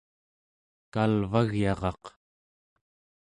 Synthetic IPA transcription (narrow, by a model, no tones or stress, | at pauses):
kalvaɣjɑʁɑq